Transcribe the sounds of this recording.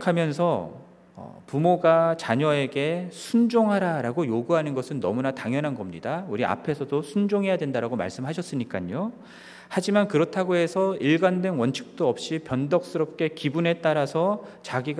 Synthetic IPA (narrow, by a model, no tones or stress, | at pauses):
kʰamjʌnsʰʌ | ʌ̰pumoɡat͡ɕaɲʌe̞ɡe̞sʰund͡ʑoŋɦaɾaɾaɡojoɡuɦanɯnɡʌsʰɯnːʌ̰munataŋjʌnɦanɡʌmɲidauɾia̰pʰe̞sʰʌdosʰund͡ʑoŋɦe̞jadwe̞ndaɾaɡoma̰ɭs͈ɯmɦaɕʰʌs͈ɯɲik͈aɲo | had͡ʑimankɯɾʌtʰaɡoɦe̞sʰʌiɭɡandwe̞nwʌnt͡ɕʰɯ̥k̚t͈oʌp̚ɕ͈ipjʌndʌk̚s͈ɯɾʌp̚k͈e̞kibune̞t͈aɾasʰʌt͡ɕaɡiɡ